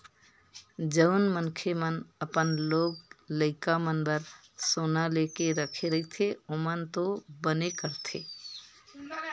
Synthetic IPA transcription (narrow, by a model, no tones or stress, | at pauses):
d͡ʒəʊnmənkʰemənəpənloːɡləɪkamənbəɾ | soːnaleːkeɾəkʰeɾəɦɪt̪ʰeomənt̪obənekəɾt̪ʰeː